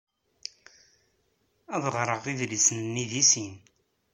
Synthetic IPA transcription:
æðʁɾˤəʁiðlisənnːiðisin

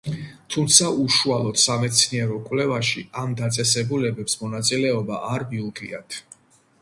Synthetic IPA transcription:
t̪ʰumt̪sʰaʔuʃualˠɔt̪samɛt̪sʰniɛɾɔkʼwlɛvaʃiamd̪at̪sʼɛsɛbulɛbɛpsmɔnat̪sʼilɛɔbaʔaɾbiulˠkʰʼḭa̰t̪ʰ

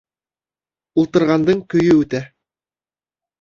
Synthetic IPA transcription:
ulˠt̪ɤ̆ɾʁɑnd̪ɤɴkɵ̆jɵʉt̪æ

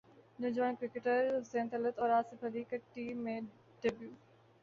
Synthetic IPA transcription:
nod͡ʒʋaːnkɾɪkeʈəɾɦʊsẽːnt̪ɐlət̪ɔːɾaːsɪfɐd̪iːkɐʈːimẽ | ɖebjuː

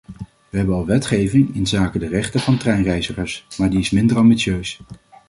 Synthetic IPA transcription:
ʋəɦɛbənɑlˠʋɛtχejvɪŋɪnzaːkədərɛχtəvɑntrɛjnrɛjzəχəɹsmaːɹdiɪsmɪndəɹɑmbitsjøɥs

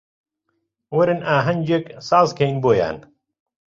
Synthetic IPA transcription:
wɐɾɨnaːɦɐnʲd͡ʒeksaːzkʰɐjnboːja̰ːn

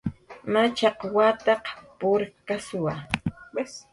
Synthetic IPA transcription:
mat͡ʃɑqwat̪ɑqpʊɾkasʊwa

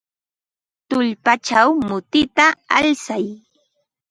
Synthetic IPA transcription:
t̪ʊʎpat͡ʃawmʊt̪ɪt̪aa̰lsaj

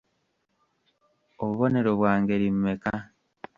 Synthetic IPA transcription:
oβuβo̞ne̞ɾoβwaːŋɡe̞ɾimmeka

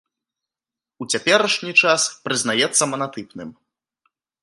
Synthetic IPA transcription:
ut͡sʲapʲɛɾɐʂnʲit͡ʂaspɾɨznajɛt̪sːɐmɐnat̪ɨpnɨm

